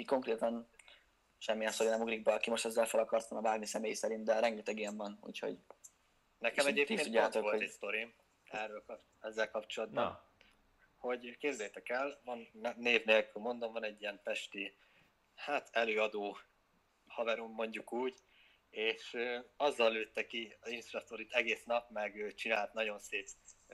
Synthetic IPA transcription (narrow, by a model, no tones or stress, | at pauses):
iko̞ŋkɾeːt̪ɒn | ʃɛmːijɛnst̪oɾinɛmuɡɾiɡ̚bɛɒkimo̞ʃt̪ɛzːɛlfɛlɒkɒrt̪ʋɒnɒbaːrmisɛmeːjsɛɾint̪̚d̪ɛɾɛŋɡɛt̪ɛɡijɛɱvɒnṵːcho̞̰ɟ | nɛkkɛmɛɟeːpt̪ːenuɟːaːt̪okoloɛst̪o̞ɾi | ɛrølk | ɛzːɛlkɒpt͡ʃolɒd̪̚bɒn | ho̞ɟkeːbzɛjt̪ɛkɛlvɒnːeːvneːlkylmo̞nd̪o̞mvɒnɛɟːijɛmpɛʃt̪i | haːt̪ʰɛløːɒd̪oː | hɒvɛɾumːo̞ɲɟukuːɟ | eːʃøɒzːɒlːøːt̪ːɛkiɒzinsrɒst̪o̞ɾit̪ɛɡeːsnɒpmɛɡøːt͡ʃinaːlt̪nɒɟo̞nseːp